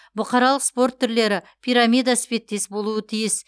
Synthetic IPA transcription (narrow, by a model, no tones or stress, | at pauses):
bʊqʰɑɾɑlˠəqspo̞ɾt̪ʰːʏɾle̞ɾɪ | pʲʰijɾamʲijd̪asɪbe̞t̪̚ːe̞sbo̞lˠuət̪ʰijɪs